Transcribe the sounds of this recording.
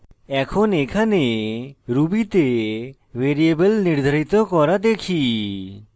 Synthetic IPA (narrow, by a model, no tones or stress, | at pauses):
ɛkʰɔnekʰaneɾubit̪e | weɾiebəlniɾd̪ʱaɾit̪ɔkɔɾad̪ekʰi